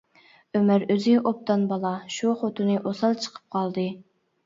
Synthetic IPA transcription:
ømæɾøzɪʔop̚t̪ɑnbɑlˠɑʃuχot̪ʰɨnɨʔosɑlˠt͡ʃʰə̥qʰə̥p̚qʰɑlˠd̪ɨ

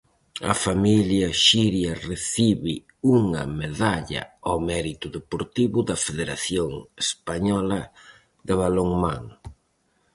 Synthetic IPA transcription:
ɐ̰familjɐʃiɾjɐreθiβɪ | uŋɐ̰meðaʎɐ̰amɛɾit̪ʊðepoɾt̪iβʊðɐfeðeɾaθjoŋespaɲɔlɐ | ðɪβaloŋmãŋ

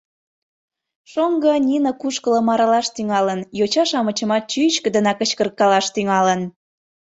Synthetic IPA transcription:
ʃoŋɡə̆nʲinəkuʃkələ̆mɑɾɑlɑʃt̪yŋɑlənjot͡ɕɑʃɑmət͡ɕəmɑt̪̚t͡ɕyt͡ɕkə̆d̪ənɑkət͡ɕkərkːɑlɑʃt̪yŋɑlən

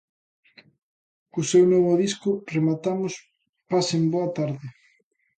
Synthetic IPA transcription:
kʊsewnɔβʊðiskʊremat̪amʊs | pasemboɐt̪aɾðɪ

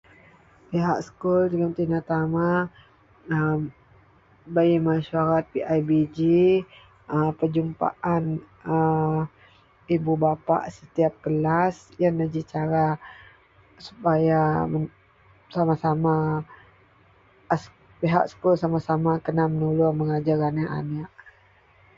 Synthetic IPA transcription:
piɦa̰ksə̥kult̪iɡəmt̪inat̪ama | ə | baimaʃaɾat̪̚piʔajbid͡ʒi | əpəd͡ʒumpa̰ʔan | ə | ibubapa̰ʔsət̪iap̚kəlasjanəd͡ʒit͡ʃaɾa | su̥pajaə | samasama | s | piɦa̰ʔsə̥kulsamasamakənamənulʊməŋad͡ʒaɾanaʔa̰naʔ

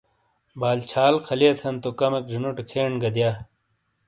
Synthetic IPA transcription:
baːlt͡ɕʰaːlkʰɐliɐt̪ʰɐnt̪okɐmekd͡ʑunuʈekʰeːɳɡɐd̪jaː

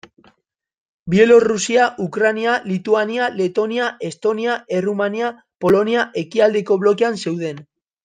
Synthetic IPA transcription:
bie̞lo̞rusiaʔukɾanialit̪uaniale̞t̪o̞niae̞st̪o̞niae̞rumania | po̞lo̞niaʔe̞kiald̪e̞ko̞β̞lo̞ke̞anse̞wð̞e̞n

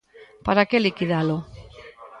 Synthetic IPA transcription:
paɾakelikiðalo

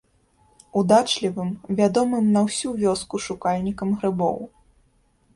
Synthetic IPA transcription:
ud̪at͡ʂlʲivɨmvʲad̪ɔmɨmnɐwsʲuvʲɔskuʂukalʲnʲikɐmɣɾɨbɔ̰w

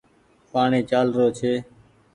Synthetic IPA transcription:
paːɳeːt͡ʃaːlɾoːt͡ʃʰeː

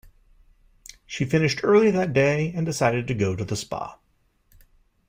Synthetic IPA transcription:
ʃifɪ̃nɨʃtʰɜ˞lˠiðɨt̚d̥eɪɨ̃ndɨsaɪɾɨd̚tɨɡoʊɾɨðəspɑ̰t

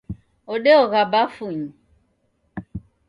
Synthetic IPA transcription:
ɔɗɛɔɣabafuɲi

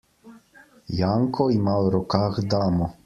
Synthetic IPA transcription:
jaːŋkʰɔimaɾɔkaːxd̪aːmɔ

